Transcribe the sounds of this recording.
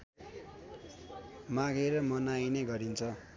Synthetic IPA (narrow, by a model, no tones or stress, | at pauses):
maɡeɾʌmʌnajnʌɡʌɾint͡sʰʌ